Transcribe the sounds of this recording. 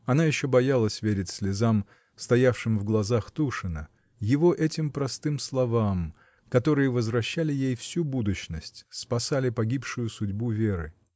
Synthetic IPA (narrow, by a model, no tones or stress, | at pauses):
ɐnajɪɕːo̞bɐjalˠəsʲvʲeɾʲɪtʲsʲlʲɪzam | st̪ɐjafʂɨmvɡlˠɐzaxt̪uʂɨnə | jɪvo̞ʔɛtʲɪmpɾɐst̪ɨmslˠɐvam | kɐt̪o̞ɾɨjəvəzvɾɐɕːalʲɪjejfsʲubud̪ʊɕnəsʲtʲspɐsalʲɪpɐɡʲipʂʊjʊsʊdʲbuvʲeɾɨ̰